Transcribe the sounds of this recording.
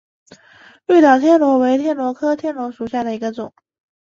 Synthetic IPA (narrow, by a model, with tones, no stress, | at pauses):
ly˥˩t̪ɑ˨˩ʊt̪ʰjɛ˥˩nlwɔ˧˥we˧˥ɪt̪ʰjɛ˥˩nlwɔ˧˥kʰɤ˥t̪ʰjɛ˥˩nlwɔ˧˥ʂu˨˩ɕja˥˩d̪ə˩i˧˥ɡə˧t͡sʊ˨˩˦ŋ